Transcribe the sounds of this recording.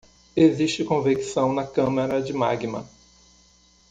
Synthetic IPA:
eziʃt͡ʃɪkõviksɐ̃w̃nɐkɐ̃mɐɾɐd͡ʒɪma̰ɡimɐ̰

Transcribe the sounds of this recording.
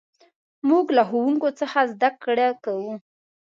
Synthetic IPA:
muɡlaxowuŋkot͡səxazd̪akɽakawu

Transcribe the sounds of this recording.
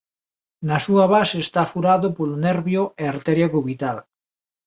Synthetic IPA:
nasuaβaseːst̪afuɾaðopoluneɾβjoeaɾt̪eɾjakuβit̪al

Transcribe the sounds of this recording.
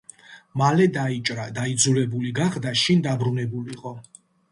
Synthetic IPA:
malɛd̪ait͡ʃʼɾad̪aid̪zulɛbuliɡaχd̪aʃind̪abɾunɛbuliqʼɔ

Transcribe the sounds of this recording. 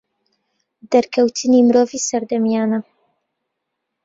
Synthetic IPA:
d̪ɐɾkʰɐwt̪ʰɨnimɨɾoːvisɐɾd̪ɐmjaːnɐ

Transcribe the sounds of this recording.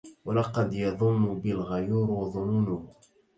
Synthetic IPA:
walɑqɑd̪jɑðˤʊmːʊbɪlɣajuːɾwɑðˤʊnuːnʊh

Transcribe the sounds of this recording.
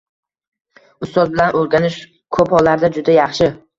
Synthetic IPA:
ʊst̪ɒz̚bɪlanʔɵlɡʲanɪʃ | kʰɵphɒlːaɾd̪ad͡ʒʊd̪ajɑχʃɪ

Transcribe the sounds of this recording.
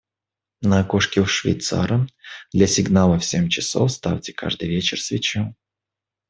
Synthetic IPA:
nəɐkoʂkʲɪʂvʲɪ̰jt̪sa̰ɾəmd̪lʲɐsʲɪɡnalˠəfsʲemʲt͡ɕɪso̰fst̪a̰ftʲɪ̥ka̰ʐd̪ɨjvʲet͡ɕɪrsvʲɪt͡ɕa

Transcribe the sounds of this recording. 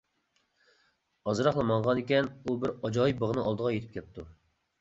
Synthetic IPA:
ɑzɨɾɑχlˠɑmɑɴʁɑnekʲɛnubɪɾɑd͡ʒɑibəʁnɨŋɑlˠd̪əʁɑjet̪ʰɪ̥p̚kʲɛt̪ʰːu

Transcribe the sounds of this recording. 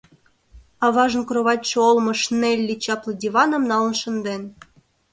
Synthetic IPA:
ɑβɑʒə̆nkroβɑtʲt͡ɕɤolˠmɤ̆ʂnelʲːit͡ɕɑplˠɤ̆dʲivɑnə̆mnɑlˠɤ̆nʃɤ̆nd̪en

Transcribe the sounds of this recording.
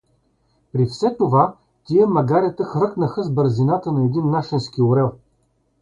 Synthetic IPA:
pɾifsɛt̪ova | t̪iəmɐɡaɾʲit̪əxvɤknəxəzbɤɾzinat̪ənɐɛd̪inːaʃɛnskʲioɾɛlˠ

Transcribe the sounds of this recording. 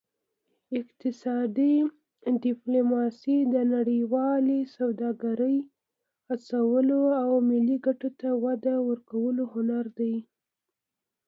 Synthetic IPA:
ɪqt̪ɪsɑd̪i | ɖɪplomɑsid̪ənaɽəjwɑlesawd̪ɑɡaɾəj | at͡sawəloawmɪlːiɡaʈot̪awad̪awəɾkawəlohʊnaɾd̪aj

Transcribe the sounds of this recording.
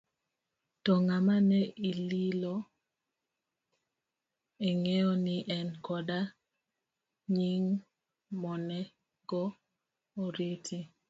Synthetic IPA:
tɔŋamanɛililɔ | eŋeɔnɪʔɛnkɔda | ɲiŋ | mɔnɛ | ɡɔ | oɾiti

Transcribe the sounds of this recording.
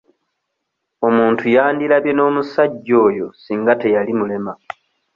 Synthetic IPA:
o̞muːntʰujaːndilaβjono̞ːmusaɟːo̞ːjo̞siːŋɡate̞jalimule̞ma

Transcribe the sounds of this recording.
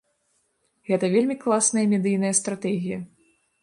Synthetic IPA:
ɣɛt̪ɐvʲelʲmʲiklˠasnɐjɐmʲɛd̪ɨjnɐjɐst̪ɾat̪ɛɣʲijɐ

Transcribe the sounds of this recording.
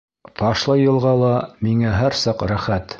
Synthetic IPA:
t̪ɑʃlˠɤjɤ̆lˠʁɑlˠɑmiŋæɦæɾsɑqɾæχæt̪

